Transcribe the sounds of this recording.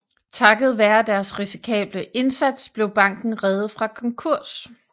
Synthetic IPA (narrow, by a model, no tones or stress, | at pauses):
t͡sʰɑ̈ɡ̥ð̞̩ˠʋæːɐd̥æɐsʁisi̥kʰɛ̰ːb̥ləʔe̝nsæd̥sb̥le̝ʊb̥ɑ̈ŋ̰ɡ̥n̩ʁɛðð̩ˠfʁɑ̈kʰɒ̽ŋkʰuɐ̰s